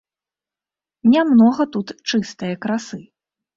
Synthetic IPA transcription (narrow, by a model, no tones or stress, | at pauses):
nʲamnɔɣɐt̪ut̪t͡ʂɨst̪ɨjɐkɾasɨ